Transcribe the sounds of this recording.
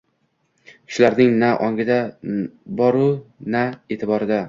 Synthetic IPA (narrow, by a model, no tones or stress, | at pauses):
kʰʲɪ̥ʃlaɾnɪŋnaʔɒŋɡɪd̪a | bɒɾʊnae̞t̪ʰɪbɒɾɪd̪a